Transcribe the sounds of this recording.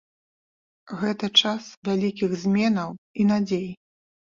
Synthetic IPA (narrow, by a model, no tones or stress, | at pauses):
ɣɛt̪ɐt͡ʂasvʲalʲikʲiɣzʲmʲɛnɐwinad͡zʲej